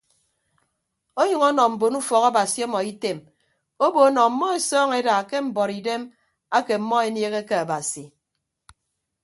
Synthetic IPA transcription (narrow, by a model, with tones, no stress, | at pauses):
o˦ɲʌ˨ŋɔ˦nɔ˨m̩˨bo˨nu˦fɔ˨ka˦ba˨si˨ɔ˦mɔ˨i˦te˨m | o˦bo˨˦nɔ˨m̩˨˦mːɔ˦e˨sɔː˦ŋe˦da˨ke˦m̩˨bɔ˨ɾi˨de˦m | a˦ke˨m̩˨mːɔ˦e˨nje˦ɣe˦ke˦a˨ba˨si˨